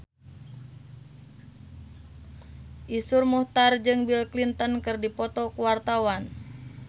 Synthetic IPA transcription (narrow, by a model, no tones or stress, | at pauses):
ʔisurmuht̪ard͡ʒɨŋbilklint̪ənkɨrdipɔt̪ɔkuwart̪awan